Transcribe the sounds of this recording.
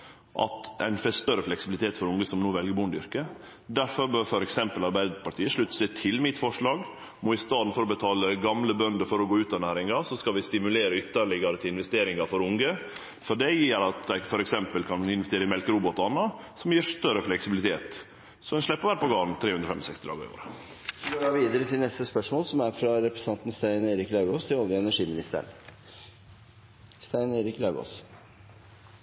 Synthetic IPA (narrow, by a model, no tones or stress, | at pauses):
ʔɑ̰t̪æ̰ɪnfɛst̪œɾəflɛksɪbɪlɪt̪ʰeːt̪fɔɾʊŋɡəsɔmnoːʋɛlɡəɾbʊnd̪ʏ̰ɾkə | d̪æɾfɔɾbøːɾfɔɾɛksɛmpəlɑɾbæɪd̪əpʰɑʈ̪ʰiːəʂɭʉt̪ːsɛt̪ʰɪlmɪt̪fɔʂɭɑːɡ | mɔɪst̪ɑːd̪n̩fɔɾɔbət̪ʰɑːləɡɑmləbœnd̪əɾfɔɾɔɡoːʉːt̪ɑnæːɾɪŋɑsɔskɑʋɪst̪ɪmʉleːɾəʏt̪ːəɭɪɡɑɾət̪ʰɪɪnʋɛst̪eːɾɪŋɑfɔɾʊŋɡə | fɔɖɛjiːɾɑt̪̚d̪æɪfɔɾɛksɛmpəlkʰɑnɪnʋɛst̪eːɾəɪmɛlkəɾubɔt̪ːɑnːɑsɔmjiːʂt̪œɾəflɛksɪbɪlɪt̪ʰeːt̪ | sɔd̪ɛnʂɭɛpːəɾʋæːɾəpɔɡɑːnt̪ʰɾeːʉnd̪ɾəfɛmɔsɛkst̪ɪd̪ɑ̰ɡ̰ɪ̰o̰ːɾə | sɔɡoːɑʋiːd̪əɾət̪ʰɪlnɛst̪əspœʂmoːlsɔmæɾfɾɑɾɛpɾɛst̪ɑnt̪n̩st̪æɪnæɪɾɪklɑʉɡost̪ʰɪlɔljəɛnæʂiːmɪnɪst̪ə̰ɳ | st̪æɪnæɪɾɪklɑʉɡo̰s